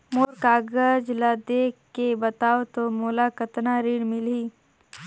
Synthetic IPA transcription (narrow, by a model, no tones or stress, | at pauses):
moːɾkaːɡəd͡ʒlad̪ekebɐt̪aːot̪omoːlakət̪naɾiːɽmɪliː